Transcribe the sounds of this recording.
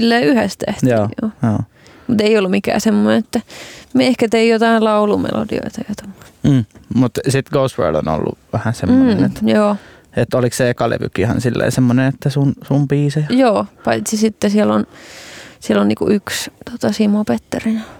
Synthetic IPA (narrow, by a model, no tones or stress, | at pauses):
ilːeːyhæst̪æ̰htoːjo̰ːjoː | mut̪eiolːumikæ̰ːsemːonenet̪ːæmehkæt̪eijjot̪ɑillɑulumḛlo̰dḭo̰it̪ɑjɑt̪omːo̥t̪̩ːmut̪sit̪ɡousʋḛːlo̰no̰lːṵʋæhæsemːonet̪joː | et̪ːolikssekɑlḛʋy̰kihɑ̰nsilːḛːsemːonenet̪ːæsunsumpiːsejɑjoːpɑit̪sisit̪ːesiɛlon | sielːonnḭːkṵʔykst̪ot̪ɑsimopet̪ːerin